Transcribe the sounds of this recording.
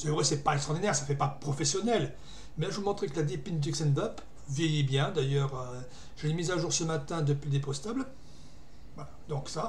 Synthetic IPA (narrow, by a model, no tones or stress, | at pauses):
sɛvʁɛsɛpaɛkst̪χɑʁd̪inɛʁsafɛpapχɔfɛsjɔnɛl | mɛʒəmɔ̃t̪χɛkəlad̪epind̪iksɛnd̪ap | vjɛjibjɛ̃d̪ajœʁø | ʒ̥əlemizaʒuʁsəmat̪ɛ̃d̪əplid̪epɔst̪abl | vwalad̪ɔ̃ksa